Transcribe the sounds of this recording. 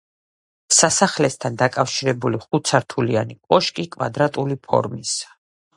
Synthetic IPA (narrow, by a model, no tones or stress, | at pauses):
sasaχlɛst̪ʰand̪akʼafʃiɾɛbuliχut̪sʰaɾt̪ʰulia̰nikʼɔʃkʼikʼva̰d̪ɾat̪ʼulipʰɔ̰ɾmis